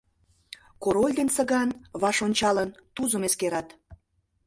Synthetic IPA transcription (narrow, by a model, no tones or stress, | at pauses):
koɾolʲd̪ensə̆ɣɑnβɑʃonʲt͡ɕɑlənt̪uzəmeskeɾɑt̪